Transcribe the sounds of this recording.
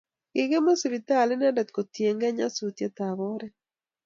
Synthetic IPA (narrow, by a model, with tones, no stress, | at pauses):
ɪ˨ɡe˦mo˦si˨βi˨ta˦˨lɪ˦na˦dɛ˨t̪ko˨tje˨ŋɡɛ˦ɲa˦su˨t̪je˦t̪a˨βɔ˦ɾɛ˦